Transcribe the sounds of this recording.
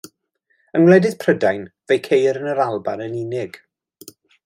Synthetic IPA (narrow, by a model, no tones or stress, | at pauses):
ənwlˠɛdɪð̥pʰrədajnvejkʰejɾənəɾalˠba̰nəninɪɡ̥